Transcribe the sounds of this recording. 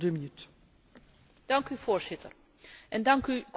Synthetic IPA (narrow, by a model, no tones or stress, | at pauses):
dəminyt | d̥ɑŋkyvoːɹzɪtər | ʔɛndɑŋkyk